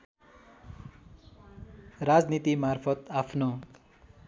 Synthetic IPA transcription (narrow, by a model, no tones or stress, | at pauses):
rad͡znit̪imarpʰʌt̪apʰno